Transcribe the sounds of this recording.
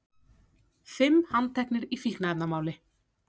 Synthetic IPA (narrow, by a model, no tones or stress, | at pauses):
fɪmhant̪ʰɛknɪɾifilknaɛt̪namaːwlɪ